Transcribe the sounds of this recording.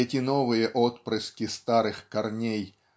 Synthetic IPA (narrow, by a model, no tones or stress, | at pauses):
ɛtʲinɔvɨjɛʔɔt̪pɾɨskʲist̪aɾɨxkarnʲej